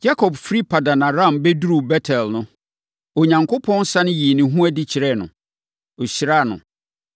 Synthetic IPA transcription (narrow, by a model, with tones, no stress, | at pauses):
d͡ʑa˦kʰɔ˨bfɾi˦pʰa˨dã˨nã˨ɾã˦˨mbɛ˦du˦ɾu˨bɛ˦tʰɛ˨lnʊ̃˦ | o˨ɲã˨ŋkʰʊ˦pʰɔ̃˦nsa˦nɪ̃˦ji˨nɪ̃˨ɦũ˦æ˦˨dɪ˦t͡ɕʰɪ˨ɾɛ˦˨nʊ̃˨ | o˨ɕɪ˨ɾa˦˨nʊ̰̃˨